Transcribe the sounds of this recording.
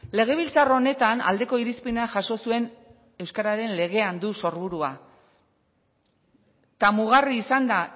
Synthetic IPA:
le̞ɣ̞e̞β̞ilt͡saro̞ne̞t̪ana̰ld̪e̞ko̞iɾispinaʝaso̞sue̞n | e̞wskaɾaɾe̞nle̞ɣ̞e̞and̪uso̞ɾβuɾua | t̪amuɣ̞ariːsand̪a

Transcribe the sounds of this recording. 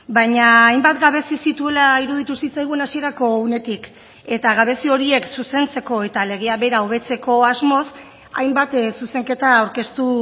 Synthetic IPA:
baɲaːjmbat̪ɡaβe̞sisit̪ue̞laiɾuðit̪usit͡sajɣ̞uenasie̞ɾako̞une̞t̪ik | e̞t̪aɣ̞aβe̞sio̞ɾie̞ksuse̞nt͡se̞ko̞e̞t̪ale̞ɣ̞eaβe̞ɾaoβ̞e̞t͡se̞ko̞azmo̞s | a̰jmbat̪suse̞ŋke̞t̪aːwɾke̞st̪u

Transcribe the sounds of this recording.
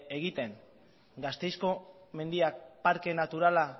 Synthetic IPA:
eɣit̪e̞ŋ | ɡast̪e̞jsko̞me̞nd̪iak̚paɾke̞nat̪uɾala

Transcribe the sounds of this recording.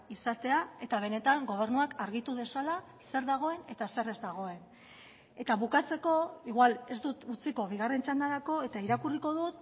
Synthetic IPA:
isat̪e̞ae̞t̪aβ̞e̞net̪aŋɡo̞β̞e̞ɾnuakaɾɣit̪uðe̞sala | se̞ɾðaɣ̞o̞e̞ne̞t̪ase̞re̞zd̪aɣ̞o̞e̞n | e̞t̪aβukat͡se̞ko̞iɣwale̞zd̪ut̪ut͡siko̞β̞iɣ̞are̞nt͡ʃand̪aɾako̞e̞t̪aiɾakuriko̞ðut̪

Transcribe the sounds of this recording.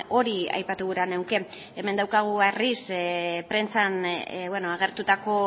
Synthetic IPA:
o̞ɾia̰jpat̪uɣuɾanewke̞ | eme̞nd̪awkaɣ̞uarispɾe̞nt͡sanβwe̞noaɣ̞e̞ɾt̪ut̪ako̞

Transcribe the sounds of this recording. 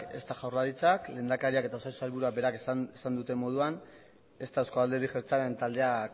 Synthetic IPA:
ke̞̰st̪aʝawrlaɾit͡sakle̞ːnd̪akaɾiake̞t̪aosajsu̥salβuɾuabe̞ɾakeesand̪ut̪e̞mo̞ð̞uan | e̞st̪aeskoald̪e̞ɾiʝeɾt͡saβent̪ald̪e̞ak

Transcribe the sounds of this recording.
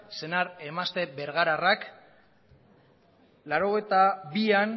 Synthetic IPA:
se̞naɾe̞mast̪e̞be̞ɾɣaɾarak | laɾo̞ɣ̞e̞jt̪aβian

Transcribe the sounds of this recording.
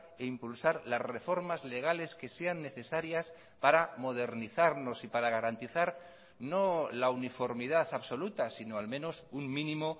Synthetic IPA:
eimpulsaɾlazre̞fo̞ɾmazle̞ɣ̞ale̞ske̞se̞anːe̞θe̞saɾjas | paɾamo̞ðe̞ɾniθaɾno̞sipaɾaɣ̞aɾant̪iθaɾ | no̞launifo̞ɾmiðaθaβso̞lut̪asino̞almẽ̞no̞suŋmĩnĩmo

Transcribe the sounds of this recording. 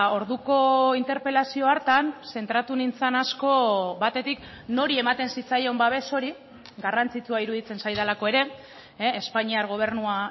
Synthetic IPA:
o̞ɾðuko̞int̪e̞ɾpe̞lasio̞aɾt̪anse̞nt̪ɾat̪unint͡sanasko̞βat̪e̞t̪ik | no̞ɾie̞mat̪e̞nsit͡sajo̞mbaβe̞so̞ɾi | ɡarant͡sit͡suaiɾuðit͡se̞nsajðalako̞e̞ɾe̞ː | spaɲiaɾɣo̞β̞e̞ɾnua

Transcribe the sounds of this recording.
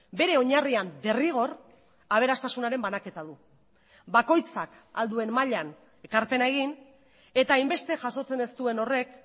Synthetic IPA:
be̞ɾe̞o̞ɲariand̪e̞riɣ̞o̞r | aβ̞e̞ɾast̪asunaɾe̞mbanake̞t̪aðu | bako̞jt͡sak | a̰ld̪ue̞mmaʎan | e̞kaɾpe̞naeɣ̞in | e̞t̪aːjmbe̞st̪e̞ʝaso̞t͡se̞ne̞st̪ue̞no̞re̞k

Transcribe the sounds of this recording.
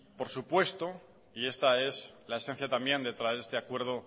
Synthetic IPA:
po̞ɾsupwe̞st̪o | ie̞st̪ae̞slae̞sen̟θjat̪ambjẽ̞nd̪e̞t̪ɾaeɾe̞st̪e̞akwe̞ɾð̞o̞

